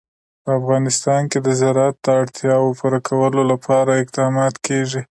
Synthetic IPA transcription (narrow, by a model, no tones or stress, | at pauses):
pəafɣɑnɪst̪ɑnked̪əzaɾat̪̚d̪əaɽt̪ʰjɑwpuɾakʰawəlolapʰɑɾaɪq̚d̪ɑmɑt̪keʐi